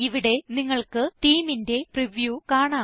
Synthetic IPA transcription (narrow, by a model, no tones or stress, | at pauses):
iʋiɽe̞niŋːɐɭkɨt̪iːminde̞priʋjuːkaːɳaː